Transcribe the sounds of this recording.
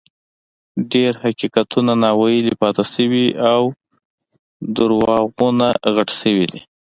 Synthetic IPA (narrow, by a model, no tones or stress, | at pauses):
ɖeɾhakikat̪ʰunanɑwajəlipɑt̪asəwiʔaw | d̪əɾwɑɣunaɣaʈsəwid̪ḭ